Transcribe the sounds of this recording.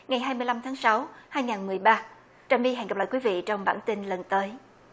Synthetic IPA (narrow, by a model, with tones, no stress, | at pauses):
ŋa˨˩jɦaː˧jmɨ˧əjla˧mt̪ʰaː˨˦ŋsa˨˦whaː˧jŋaː˨˩nmɨ˨˩əjɓaː˧ | t͡ɕaː˨˧˩mi˧ɦɛ̰˧˨nŋa˨˩p̚la̰ː˧˨kwi˨˦vḭ˧˨t͡ɕɔ˧wŋ͡mɓa̰ː˧˩nt̪i˧nlə˨˩nt̪əː˨˦j